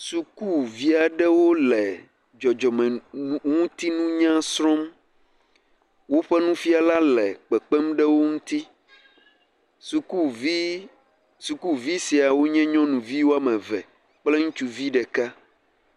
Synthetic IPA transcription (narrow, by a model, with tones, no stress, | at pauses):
su˨ku˦vi˦a˨ɖɛ˦wo˦lɛ˨ | d͡ʒɔ˨d͡ʒɔ˨mɛ̃˨ŋũ˦t̪i˦nũ˦ɲã˦sɾɔ̃˦m | wo˦ɸɛ˦nũ˦fi˦a˨la˦lɛ˨k͡pɛ˨k͡pɛ˦mɖɛ˦wo˦ŋũ˦t̪i˦ | su˨ku˦i˦ | su˨ku˦vi˦si˨a˨wo˦ɲɛ̃˦ɲɔ̃˦nũ˨vi˦wo˦a˦mɛ̃˨vɛ̰˨ | k͡plɛ˦ŋũ˦t͡ʃu˨vi˦ɖɛ˨ka˦